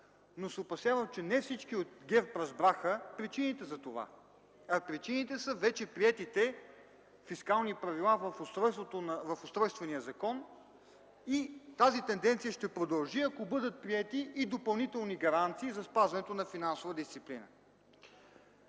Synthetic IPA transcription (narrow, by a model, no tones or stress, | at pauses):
nosɛopɐsjavɐmt͡ʃɛnɛfsit͡ʃkiot̪ɡʲɛɾpɾɐzbɾaxəpɾit͡ʃinit̪ɛzɐt̪ova̰ | ɐpɾit͡ʃinit̪ɛsəvɛt͡ʃɛpɾiɛt̪it̪ɛ | fiskalˠnipɾɐvilˠavfost̪ɾɔjst̪vot̪onvɐfost̪ɾɔjst̪vɛnijəzɐkɔn | it̪azit̪ɛnd̪ɛnt̪sijəʃt̪ɛpɾod̪ɐlˠʒiɐkobɤd̪ət̪̚pɾiɛt̪iːd̪opɐlˠnit̪ɛlˠniɡɐɾant̪siːzɐspazvɐnɛt̪onɐfinansovəd̪ist̪siplinə̰